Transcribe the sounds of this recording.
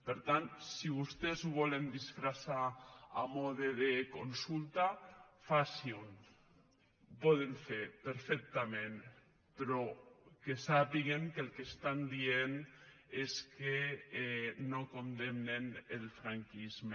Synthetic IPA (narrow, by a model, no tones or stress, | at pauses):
peɾt̪ant̪siβust̪ezuβɔlend̪isfɾasaamɔðeðekonsult̪afasiun | pɔð̞eɱfeɾpeɾfɛk̚t̪amẽn | pɾɔkesapiɣeŋkelkest̪and̪ieneske | nokond̪emnenelfɾaŋkizme